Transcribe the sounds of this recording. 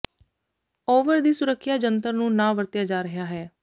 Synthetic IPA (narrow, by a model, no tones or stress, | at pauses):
oːʋəɾd̪iːsʊɾəkʰːjaːd͡ʒənt̪əɾnũːnãːʋəɾt̪jaːd͡ʒaːɾəɦjaːɦɛː